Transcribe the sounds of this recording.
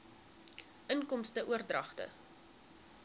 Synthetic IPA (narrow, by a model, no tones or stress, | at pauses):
ʔənkɔmstəʔuərdrɐχtə̰